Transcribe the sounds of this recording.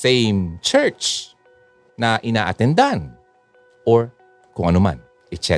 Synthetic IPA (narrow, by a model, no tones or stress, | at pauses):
sejmt͡ʃɛɹt͡ʃ | naʔɪna̰ːʔat̪ɛnd̪aan | ʔoɹ | kʊŋʔɐnuma̰n | ɛt͡ʃɛ